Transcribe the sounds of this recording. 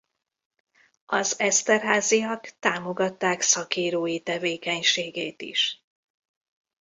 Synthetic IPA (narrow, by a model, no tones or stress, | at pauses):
ɒzɛst̪ɛrɦaːziɒkt̪aːmo̞ɡɒt̪ːaːksɒkiːɾoːjit̪ɛveːkɛɲʃeːɡeːt̪ḭʃ